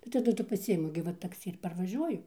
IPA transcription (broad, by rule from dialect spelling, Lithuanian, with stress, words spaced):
tɐɪ tɐˈdʊ tʊ pɐˈsʲɪɪmʊ ɡʲɪ ˈʋɐ tɐkˈsʲɪ ɪr pɐrʋɐˈʒʲuɔjʊ